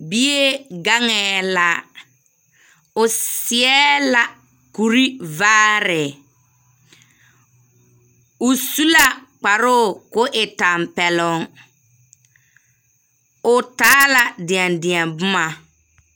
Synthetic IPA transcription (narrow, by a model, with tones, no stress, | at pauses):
bi˦e˦ɡa˦ŋɛː˨la˦ | ʊ˨sɪ˨ɛ˦la˦ | ku˨ɾi˦vaː˦ɾɪ˨ | ʊ˨su˦la˨k͡pa˨ɾʊː˦˨kʊ˦ʔɪ˨ta˨mpɛ˨lʊ˨ŋ | ʊ˨taː˦la˨dɪ˨a˨ndi˨a˨bʊ˦ma˨